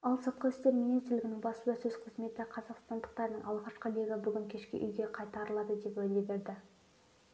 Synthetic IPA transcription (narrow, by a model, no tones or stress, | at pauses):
ɑlˠsot̪̚qɑʏst̪e̞ɾmʲinijst̪ɾlɪɡʲɪnɪŋbɑsəlˠəsɵzqʰəzme̞t̪ɪqʰɑzɑqst̪ɑnd̪əq̚t̪ɑɾnəɴʔɑlˠʁɑʃqəleɡʲabʏɡʲɪŋkʲʰe̞ʃkʲɪ̰ʔʏ̰jɡʲe̞qʰɑjt̪ɑɾəlˠɑd̪əd̪e̞pwɵjlebe̞ɾd̪ɪ